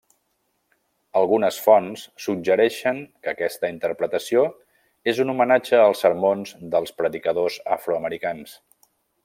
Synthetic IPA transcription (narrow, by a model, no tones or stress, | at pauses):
əlˠɣunəsfɔnsːuɡʒəɾɛʃəŋkəkɛst̪əint̪əɾpɾət̪əsio | ezunumənad͡ʒəːlˠsəɾmonzd̪əlˠspɾəðikəðozə̰fɾuəməɾikans